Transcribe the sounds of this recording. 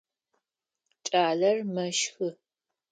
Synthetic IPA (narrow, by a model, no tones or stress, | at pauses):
t͡ʃʼaːɮɐrmɐʃxɨ